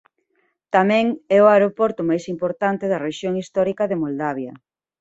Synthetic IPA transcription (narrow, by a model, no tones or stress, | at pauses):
t̪amɛ̃ŋɛʊaeɾopɔɾt̪ʊmajsimpoɾt̪ant̪eðɐreʃjoŋist̪ɔɾikɐðemold̪aβjɐ